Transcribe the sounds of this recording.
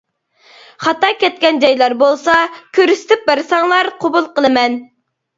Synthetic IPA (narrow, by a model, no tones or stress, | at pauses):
χɑt̪ɑkʲɛt̪̚kʲɛnd͡ʒɑjlˠɑɾbolˠsɑkʲʰøɾyst̪ʰɪp̚bæɾsɑŋlˠɑɾqʰobulˠqəlˠɨmɛn